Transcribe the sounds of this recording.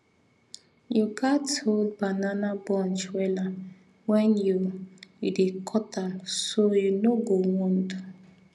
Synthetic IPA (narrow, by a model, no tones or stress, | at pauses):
juɡatold̚bananabɔ̃nt͡ʃwɛla | wɛnjujudekʰɔtamsojunoɡowɔ̃ndu